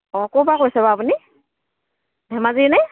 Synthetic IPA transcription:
ɔkɔbakojsɛbaːpuni | bʱɛmazinɛ

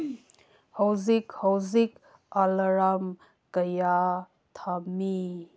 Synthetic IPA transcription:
hɔwzikhɔwzik | alɐɾam | kəja | t̪ʰami

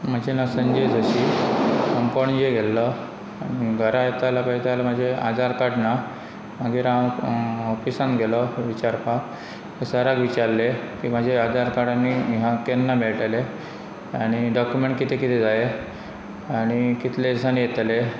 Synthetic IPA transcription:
m̤əd͡ʑʱenəsənd͡ʑed͡zəɕiːsəmpəɳjeɡelːə | ɡʱəɾajet̪alapajt̪alam̤əd͡ʑʱead͡zaɾkaɽna | m̤əɡiːɾã | ɔfisãnɡeləʋit͡ɕaɾpa | k̪əsəɾaɡʋit͡ɕaɾlekiːmad͡ʑʱead͡zaɾkaɽanːiɦãkenːamiɭʈale | aɽ̃iɖɔkjumeɳʈkit̪ʰekit̪ʰed͡zae | aɽ̃ikit̪ʰlesanijet̪le

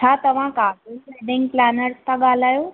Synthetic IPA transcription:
at̪əʋ̤ãkakiseɖɪ̃ŋɡ̚planəɾst̪ʰaɡalajo

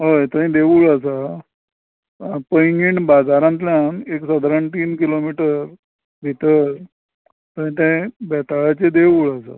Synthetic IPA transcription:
ɦəjt̪ə̃ɦĩd̪eʋuɭəsa | pəjŋɡiɳbad͡zaɾãnt̪ljaneksəd̪ʱɾaɳt̪iːnkilomiʈəɾ | bʱit̪əɾ | t̪əɦĩt̪ẽbɛt̪aɭat͡sed̪eʋuːɭəsa̰

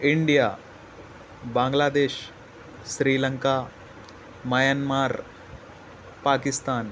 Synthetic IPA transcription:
ɪɳɖijaː | bãːŋɡlaːd̪eːʃ | sɾiːlɐŋka | mɐjaːnmaːɾ | paːkɪst̪aːn

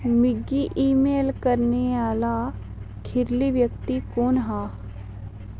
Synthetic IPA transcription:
mɪɡiʔiːmeːlkəɾneaːla | kʰɪɾliʋjək̚t̪ikoːnɦaː

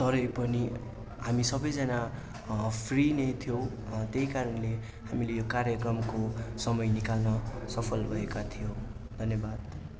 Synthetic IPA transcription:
t̪ʌɾʌjpʌni | ɦamisʌbʌjd͡zʌna | pʰrinʌjt̪ʰijow̃ | t̪eikaɾʌnle | ɦamilejokaɾjʌkrʌmkosʌmʌjnikalnʌsʌpʰʌlbʱʌekat̪ʰijo | d̪ʱʌnjʌbad̪

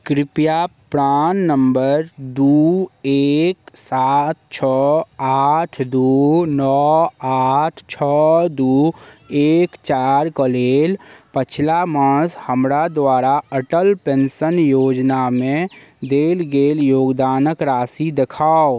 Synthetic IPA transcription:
kɾɪpjapɾaːnːəmbəɾd̪uːeːksaːt̪̚t͡ʃʰɔaːʈʰd̪uːnɔaːʈʰt͡ʃʰɔd̪uːeːkt͡ʃaːɾkəleːlpət͡ʃʰlaməshəmɾad̪waːɾaəʈəlpẽnsənjoːd͡ʒnamẽd̪eːlɡeːljoːɡd̪aːnəkɾaːsid̪ekʰaːo

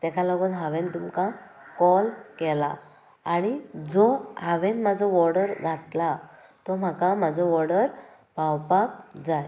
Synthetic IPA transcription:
t̪ɛkʰalɔɡuːnɦaʋent̪umka | kɔlkɛla | aɽ̃id͡zɔhaʋenmad͡zɔʋɔɾɽəɾɡʱat̪la | t̪ɔm̤akamad͡zɔʋɔɾɽəɾ | bʱawpak̚d͡zaj

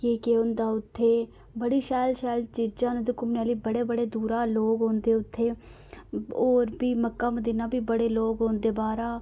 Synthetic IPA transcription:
keːkeʊnd̪aːʊt̪ʰːeː | bəɽiːʃaːlʃaːlt͡ʃiːd͡ʒãːnd̪ʊkʊmnaːliːbəɽeːbəɽeːd̪uːɾaːloːɡɦoːnd̪eːʊt̪ʰːeː | oːɾbiːməkːaːmd̪ɪnãːbiːbəɽeːloːɡɦoːnd̪eːbaːɾaː

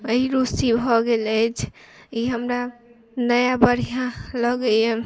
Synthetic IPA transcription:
əɦiɾusibʱɔɡelət͡ʃʰiɦəmɾa | nəjabəɾ̤ijãləɡəe

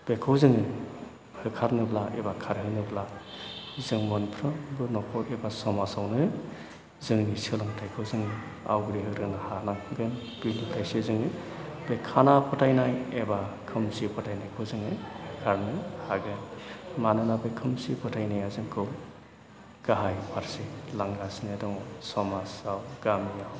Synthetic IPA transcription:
b̥ekʰɯwzɯŋɯ | hɯkʰaɾnɯblaʔebakʰaɾɦɯknɯbla | zɯŋmɔnpʰɾɯbɯnɔkʰɔkebasɔmasawnɯ | zɯŋnisɯlɯŋtʰajkʰɯwzɯŋɯ | a̰wɡɯɾiɦɯɾɯnahanaɡɯn | b̥ilɯtʰajsezɯŋɯ | bekʰanapʰɯtʰajnajebakʰɯmsipʰɯtʰajnajkʰɯwzɯŋɯjɡʰaɾnɯhaɡɯnmanɯnabekʰɯmsipʰɯtʰajnajazɯŋkʰɯw | ɡaɦajpʰaɾselaŋɡasnedɔŋsɔmasawɡamijaw

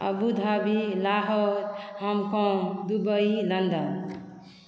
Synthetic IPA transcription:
ə̰bud̪ʱabilaɦɔɾhəmkɔ̃d̪ubəilənd̪ən

